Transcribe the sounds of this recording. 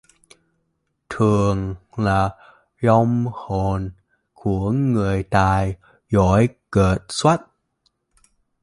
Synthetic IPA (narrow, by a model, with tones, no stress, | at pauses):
t̪ʰɨ˨˩əŋlaː˨˩ | zɔ˧wŋ͡mho˨˩n | ku˧˩əŋɨ˨˩əjt̪aː˨˩j | zɔ˧˥˦jkəː˨˩t̚swa˦˥t̚